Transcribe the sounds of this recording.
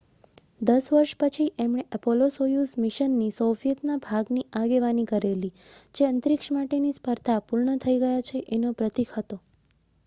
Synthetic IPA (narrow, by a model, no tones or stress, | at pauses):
d̪əsʋəɾʃpət͡ʃʰiʔemɽ̃eʔəpolosojusmiʃənːisofijət̪nabʱaɡniaɡeʋanikəɾelid͡ʒeənt̪ɾɪkʃəmaʈenispəɾt̪ʰapuɾɳət̪ʰəiɡəjat͡ʃʰeʔenopɾət̪ikʰɦət̪o